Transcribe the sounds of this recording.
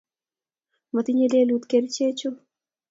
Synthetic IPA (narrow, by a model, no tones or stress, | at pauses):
mət̪iɲeleːlut̪keɾt͡ɕʰet͡ʃʰu